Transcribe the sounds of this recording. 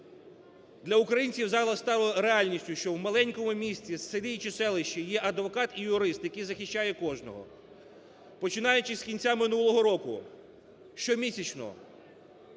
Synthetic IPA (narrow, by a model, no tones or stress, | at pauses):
d̪lʲɐʊkɾɐjinʲt͡sʲiwzɑlˠɐst̪ɑlɪɾeɑlʲnʲisʲtʲʊʃt͡ʃɔwmɐlˠɛnʲkɔmʊmʲisʲt͡sʲissɪɾʲijt͡ʃɪsɛlˠɪʃt͡ʃijɛʔɐd̪ʋɔkɑt̪ijʊɾɪst̪jɐkijzɐxʲɪʃt͡ʃːajɛkɔʒnɔ̰ɦɔ̰ | pɔt͡ʃɪnɑjʊt͡ʃɪsʲkʲinʲt͡sʲamɪnulˠɔɦɔɾɔkʊ | ʃt͡ʃɔmʲisʲɐt͡ʃnɔ̰ɦɔ̰